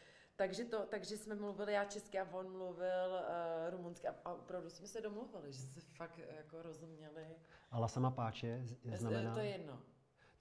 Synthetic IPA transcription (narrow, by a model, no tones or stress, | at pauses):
t̪aɡʒɛt̪o̞t̪aɡʒɛsmɛmluvɪlɪjaːt͡ʃɛskɪavonmluvɪlɾumunskɪʔaavopɾavdusmɛsɛdo̞mluvɪlɪʒɛssɛfakjakoɾo̞zumɲɛlɪʔalasamapaːt͡ʃɛznamɛnat̪ojɛjɛdno